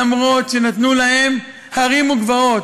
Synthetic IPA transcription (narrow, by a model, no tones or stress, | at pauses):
mʁo̞t̪ʃe̞nat̪nulahe̞m | haʁimuɡvao̞t